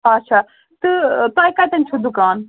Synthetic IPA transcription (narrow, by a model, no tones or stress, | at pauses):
ɐtːʃʰa | t̪ɨt̪ãjkat̪ɐnt͡ʃʰud̪ukaːn